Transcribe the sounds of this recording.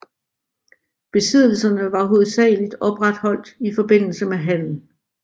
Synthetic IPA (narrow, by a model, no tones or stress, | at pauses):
b̥e̝sið̞̰ˠl̩sɐnəʋɑ̈ɦo̝ð̩ˠsɛ̰ːɪlid̥ɒ̽b̥ʁad̥hɒ̽l̰d̥ifɒ̽b̥e̝n̰l̩səmeɦæn̰n̩